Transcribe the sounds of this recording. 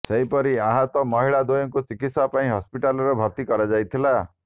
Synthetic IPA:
seɦipɔɾiaɦɔt̪ɔmɔɦiɭad̪ojɔŋkut͡ʃikit̪sapaĩɦɔspiʈalɔɾɔbʱɔɾt̪ikɔɾad͡ʒajt̪ʰila

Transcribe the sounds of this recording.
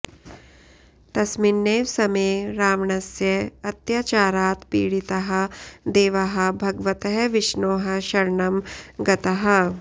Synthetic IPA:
t̪ɐsminːeːʋsɐmeːɾaːʋɳɐsjɐɐt̪jaːt͡ʃaːɾaːt̪pḭːɽit̪ɐɦɐ̆d̪eːʋɐɦɐ̆bʱɐɡʋɐt̪ɐɦɐʋiʃɳoːɦɐ̆ʃɐɾɳɐmɡɐt̪ɐɦɐ̆

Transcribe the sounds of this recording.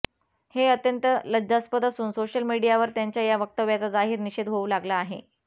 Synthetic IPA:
heət̪jənt̪ələdaspəd̪asuːnsoɕjəlmiɽijaʋəɾt̪jaɲt͡ɕjajaʋək̚t̪əʋjat͡sad͡zaɦiːɾniɕed̪ɦoulaɡlaːɦḛ

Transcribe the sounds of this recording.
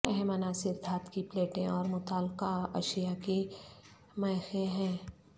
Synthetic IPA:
ɛɦɛmɐnaːsɪɾd̪ʱaːt̪kipleːʈẽɔːɾmʊt̪aːlqaɐ̰ʃjaki | mɐːxeɦɛ̃ː

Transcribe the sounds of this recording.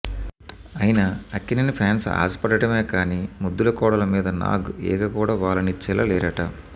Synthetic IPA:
ɐjinɐɐkːinɐnipʰaːnsa̰ːsɐ̥pɐɽɐʈɐmeːkaːniːmud̪ːulɐkɔːɽɐlɐmiːd̪ɐna̰ːɡɛ̰ːkɐkuːɽaːʋaːlɐnit͡ʃilɐlɛːɾɐʈɐ

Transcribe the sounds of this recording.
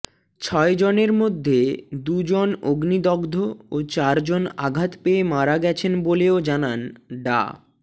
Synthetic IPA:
t͡ɕʰɔed͡ʑoneɾmod̪ʱːed̪ud͡ʑonoɡnid̪ɔɡd̪ʱoot͡ɕaɾd͡ʑonaɡʱat̪peemaɾaɡɛt͡ɕʰenboleod͡ʑananɖa̰

